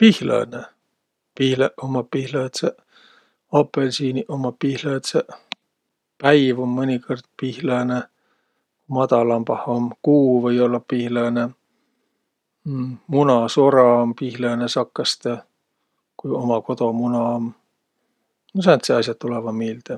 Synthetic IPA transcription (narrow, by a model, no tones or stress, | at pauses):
pihlɑ̰ːne | pihleʔomɑpihlɑet̪se | ɑpːˑelsiːniʔomːɑpihlɑet̪se | pæjvomːɤnʲikord̪̥̚pihlɑːne | kmɑt̪ɑlɑmpɑhomkuːvɤjolːɑpihlɑːne | munɑsoɾɑompihlɑːnesɑkːɑst̪e | kujomɑko̞t̪o̞munɑom | nosɑnt̪seɑsjɑt̪ːulevɑmiːld̪̥e